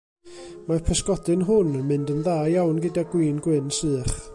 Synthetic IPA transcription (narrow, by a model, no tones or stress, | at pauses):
mapʰəskɔdɨnɦʊnmɨndənðaːjawnɡɪdaɡwiːnɡwɪnsɨːχ